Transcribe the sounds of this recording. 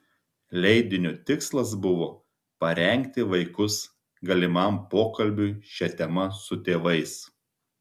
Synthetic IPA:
lʲɛɪd̪ʲɪnʲʊt̪ʲɪkslˠɐs̬bʊʋoː | pɐɾʲɛŋʲˑk̚t̪ʲɪʋɐɪkʊs | ɡɐlʲɪmɐˑmpoːkɐlʲbʲʊʃʲɛt̪ʲɛmɐsʊt̪ʲeːʋɐɪs

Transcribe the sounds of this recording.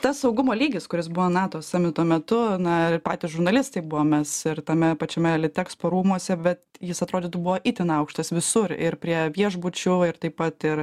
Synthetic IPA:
t̪ɐssɐʊɡʊmoːlʲiːɡʲɪskʊɾʲɪsbʊʋoːnɑːt̪oːsɐmʲɪt̪oːmʲɛt̪ʊnɐpɑːt̪ʲɪsʒʊɾnɐlʲɪst̪ɐɪbʊʋoːmʲɛsɪɾt̪ɐmʲɛpɐt͡ʃʲɛmʲɛlʲɪt̪ʲæːkspoːɾuːmuɔsʲɛbʲɛt̪jɪsɐt̪ɾoːd̪ʲɪt̪ʊbʊʋoːʔit̪ʲɪnɐʊkʃt̪ɐsʋʲɪsʊrɪ̰ɾpʲɾʲiɛʋʲiɛʒbʊt͡ʃʲʊɪɾt̪ɐɪpɐt̪ɪr

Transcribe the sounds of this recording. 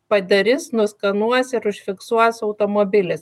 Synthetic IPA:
pɐd̪ʲɛɾʲɪsnʊskɐnuɔsɪɾʊʃʲfʲɪksuɔjsɐʊt̪oːmoːbʲɪlʲɪs

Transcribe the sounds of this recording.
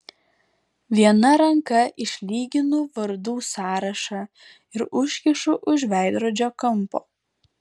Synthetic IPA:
ʋʲiɛnɐɾɐŋkɐʔɪʃʲlʲiːɡʲɪnʊʋɐɾd̪uːsɑːɾɐʃɑː | ɪɾʊʃʲkʲɪʃʊʔʊʒʋʲæˑɪd̪ɾoːd͡ʒʲoːkɐmˑpo̰ː

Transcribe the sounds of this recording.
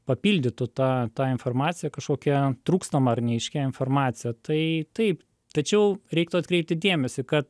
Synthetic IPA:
pɐpʲiːlʲd̪ʲɪt̪ʊt̪ɑːt̪ɑːɪnfoːrmɑːt̪sʲɪjɛkɐʃkoːkʲɛt̪ɾuːkst̪ɐmɐɐrnʲɛɪʃʲkʲɛɪnfoːrmɑːt̪sʲɪjɛt̪ɐɪt̪ɐɪp | t̪ɐt͡ʃʲɛʊɾʲɛɪkt̪ʊɐt̪kɾʲɛɪp̚t̪ʲɪd̪ʲeɛmʲɛsʲɪkɐt̪

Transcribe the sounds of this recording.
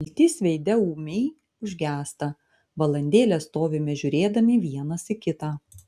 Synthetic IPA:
lʲt̪ʲiːsʋʲɛɪd̪ʲɛuːmʲɛɪ | ʊʒʲɡʲæːst̪ɐ | ʋɐlˠɐnʲd̪ʲeːlʲɛst̪oːʋʲɪmʲɛʒʲʊɾʲeːd̪ɐmʲɪʋʲiɛnɐsɪkʲɪt̪aː

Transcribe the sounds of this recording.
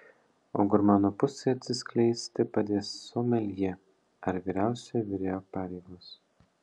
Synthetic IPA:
o̰ːɡʊɾmɑːnoːpʊsʲeɐt̪ʲsʲɪsʲkʲlʲɛɪsʲt̪ʲɪpɐd̪ʲeːsoːmʲɛlʲje | ɐɾʋʲiːɾʲæˑʊsʲɛʋʲɪɾʲeːjoːpɑːɾʲɛɪɡoːs

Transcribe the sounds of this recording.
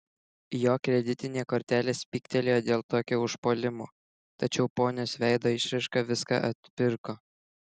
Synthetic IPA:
joːkɾʲɛd̪ʲɪt̪ʲɪnʲeːkoːɾʲt̪ʲæːlʲeːsʲpʲiːkt̪ʲɛlʲeːjoːd̪ʲeːlˠt̪oːkʲoːʊʃpoːlʲɪmoː | t̪ɐt͡ʃʲɛʊpoːnʲoːsʋʲæɪd̪oːɪʃʲɾɐɪʃkɑːʋʲɪskɑ̰ʔɐt̪ʲpʲɪɾkoː

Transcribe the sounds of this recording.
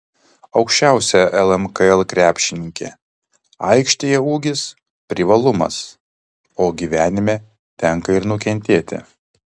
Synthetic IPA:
ɒʊkʃʲt͡ʃʲæˑʊsʲɛʔɛlˠɛmkɐɛlˠkɾʲæːpʲʃʲɪnʲɪŋʲkʲḛː | ɐ̰ɪkʃʲt̪ʲejɛuːɡʲɪs | pʲɾʲɪʋɐlˠʊmɐ̰s | oːɡʲiːʋʲæːnʲɪmʲeː | t̪ʲɛŋkɐɪɾnʊkʲɛnʲt̪ʲeːt̪ʲɪ̰

